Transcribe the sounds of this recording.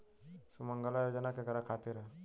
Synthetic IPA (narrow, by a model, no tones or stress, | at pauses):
suməŋɡəlajoːd͡ʒənakeɡɐɾakʰaːt̪iɾɛ